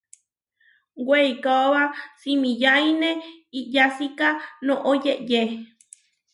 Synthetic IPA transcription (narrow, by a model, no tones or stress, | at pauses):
weikaoβasimĩjainẽijasikanõʔojeʔje